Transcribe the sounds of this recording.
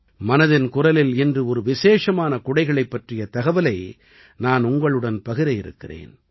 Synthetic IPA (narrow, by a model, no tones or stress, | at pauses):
mɐnɐðɪnkʊrɐlɪlɛndrɯɔɾɯʋɪseːʂɐmaːnɐkʊɽɐɪɣɐɭɐɪpːɐʈrɪjɐt̪ɐɣɐʋɐlɐɪ | naːnʊŋɡɐɭɯɽɐnpɐɣɪɾɐjɪɾɯ̰kːɪrḛːn